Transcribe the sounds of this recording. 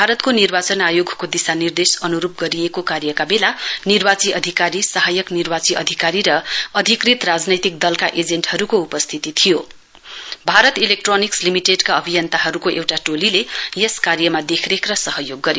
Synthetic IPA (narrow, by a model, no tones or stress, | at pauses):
bbʱaɾʌt̪konirbat͡sʌnajoɡʱkod̪isanird̪esʌnuɾup̚ɡʌɾijekokarjʌkabelanirbat͡siʔʌd̪ʱikaɾisʌɦajʌknirbat͡siʔʌ̰d̪ʱikaɾiɾʌʌd̪ʱikrit̪rad͡znʌjt̪ik̚d̪ʌlkaʔed͡zeɳʈhʌɾukoupʌst̪ʰit̪it̪ʰijo | bʱaɾʌt̪ilek̚ʈronikslimiʈeɖkaʌbʱijʌnt̪aɦʌɾukoʔewʈaʈolilejeskarjʌmad̪ekʰrekrʌsʌɦʌjoɡːʌɾe